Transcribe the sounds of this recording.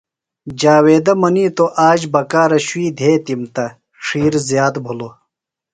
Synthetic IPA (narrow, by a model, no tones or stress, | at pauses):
d͡ʑaːweːd̪ɐmɐniːt̪oʔaːd͡ʑbɐkaːɾɐɕuwiːd̪ʱeːt̪imt̪ɐ | ʂiːɾzjaːt̪bʱulo